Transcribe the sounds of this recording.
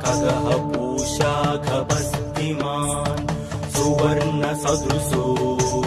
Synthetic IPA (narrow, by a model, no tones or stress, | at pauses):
kɐɡɐɦɐpuːʃaːɡʱɐbɐst̪ima | n | suʋɐɾnɐsɐd̪ɾusu